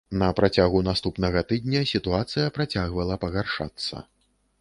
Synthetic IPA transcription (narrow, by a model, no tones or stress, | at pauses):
nɐpɾʔat͡sʲaɣunast̪upnɐɣɐt̪ɨd̪̚ʲnʲɐsʲit̪uat̪sɨjɐpɾat͡sʲaɣvɐlˠɐpɐɣarʂa̰t̪sːɐ̰